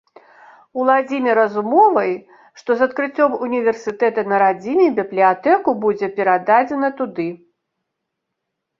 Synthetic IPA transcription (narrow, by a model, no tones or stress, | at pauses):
ulˠad͡zʲimʲɛɾɐzumɔvɐj | ʂt̪ɔzɐt̪kɾɨt͡sʲːɔmunʲivʲɛrsɨt̪ɛt̪ɐnɐɾad͡zʲinʲɛbʲiblʲiat̪ɛkubud͡zʲɛpʲɛɾad̪ad͡zʲɛnɐt̪ud̪ɨ